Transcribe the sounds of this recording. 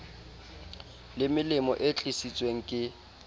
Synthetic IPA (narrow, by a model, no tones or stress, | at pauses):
lɪmɪlɪmɔʔɪt͡ɬʼisit͡sʼweŋ̩kʼɪ